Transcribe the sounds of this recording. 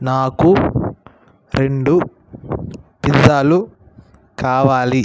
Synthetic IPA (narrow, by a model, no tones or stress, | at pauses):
naːku | ɾe̞ɳɖu | pizːaːlu | kaːʋaːli